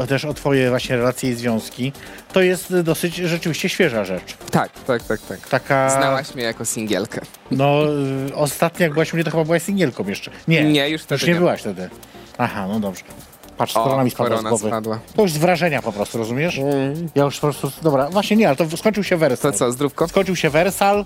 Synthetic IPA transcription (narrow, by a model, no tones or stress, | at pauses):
ɔt̪ɛʂɔt̪fɔjɛvwaɕɲɛɾɛlat̪sʲjɛizvʲjɔ̃w̃skʲi | t̪ɔjɛst̪d̪ɔsɘt͡ɕʐɛt͡ʂɘvʲiɕt͡ɕɛɕfʲjɛʐaʐɛt͡ʂt̪ak̚t̪ak̚t̪ak̚t̪akt̪akazawaɕmʲɛjakɔsʲiŋɡʲɛ̰lkʰɛ | nɔɔst̪at̪ɲɔjaɡ̚bɘwaɕmuɲɛt̪ɔxɘbabɘwaɕsʲĩŋɡʲjɛlkɔ̃w̃jɛʂt͡ʂɛɲɛɲɛjuʂft̪ɛjuʂɲɛbɘwaɕft̪ɛd̪ɘ | ahanɔd̪ɔbʐ̥ɛ | patʂskkɔɾɔnamʲispadɔɾwɔanaɡwɔvɨpad̪wat̪ɔjuʐzvɾaʐɛɲapɔpɾɔst̪uɾɔzumʲjɛʂjajuʂpɔpɾɔst̪ud̪ɔbɾavwaɕɲɛɲɛalɛt̪ɔskɔɲʲt͡ʂɨwɕɛvɛɾsɔlsɔzd̪ɾupkɔskɔɲʲt͡ʂɨwɕɛvɛɾsal